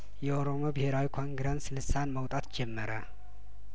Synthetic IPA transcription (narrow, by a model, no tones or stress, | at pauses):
jɛoɾo̞mo̞bɪheɾawikʰo̞ŋɡɾenslɨsanməwt̪ʼat̪d͡ʒɛmːəɾə